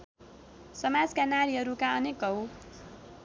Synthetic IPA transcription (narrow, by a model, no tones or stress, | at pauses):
sʌmad͡zkanaɾiɦʌɾukaʌnekʌw